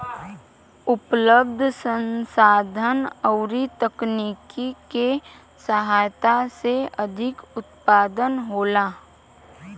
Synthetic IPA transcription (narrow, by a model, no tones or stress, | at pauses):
ʊpləb̚d̪ʱsə̃nsaːd̪ʱənəʊɾit̪əkniːkike | səɦaːjt̪aseəd̪ʱɪkʊt̪paːd̪ənɦoːlaː